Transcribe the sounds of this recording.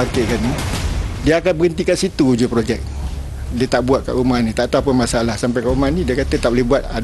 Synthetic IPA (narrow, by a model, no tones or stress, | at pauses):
akekanɲidiəakanbəɡənt̪ikansit̪ud͡ʒupɾod͡ʒɛk̚ | diət̪aʔbuat̪̚ka̰ʔumanĩt̪aʔt̪aapəmasalahsampajkaʔumanĩdiəkat̪ət̪aʔbolɛhɦbuat̪̚a